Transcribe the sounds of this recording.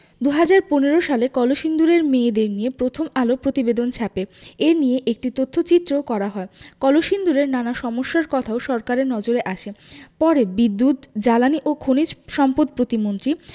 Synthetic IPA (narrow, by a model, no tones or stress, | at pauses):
d̪uɦad͡ʑaɾponeɾoʃalekɔloʃind̪uɾeɾmeːd̪eɾniepɾot̪ʰomalopɾot̪ibed̪ont͡ɕʰapeeɾnijeʔek̚ʈit̪ot̪ʰːot͡ɕit̪ːɾokɔɾaɦɔekɔloʃind̪uɾeɾnanaʃɔmoʃːaɾkɔt̪ʰaoʃɔɾkaɾeɾnɔd͡ʑoɾeʔaʃʰepɔɾebid̪ːut̪d͡ʑalaniʔokʰonid͡ʑʃɔmpod̪̚pɾot̪imont̪ɾi